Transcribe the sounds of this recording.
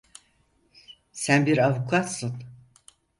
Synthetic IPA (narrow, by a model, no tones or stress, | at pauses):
sænbiɾavukʰat̪sɯn